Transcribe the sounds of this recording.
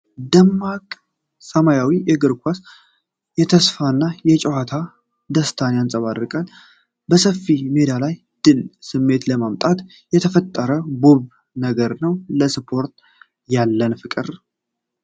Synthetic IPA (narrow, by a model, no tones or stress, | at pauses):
d̪əmːakʼ | səmajawijɛɡɨɾkʷʰas | jɛt̪ʰəsfanːajɛt͡ʃʼɛwat̪ʰa | d̪əst̪ʰanjansʼəβaɾɨkʼən | bəsəfːimed̪alaj | d̪̥ɨlsɨmːe̞t̪ləmamt̪ʼat̪ | jɛt̪ʰəfət̪ʼːəɾəboβ | nəɡəɾnəwləsɨpʰo̞ɾt̪ | jalːənfɨkʼɨɾ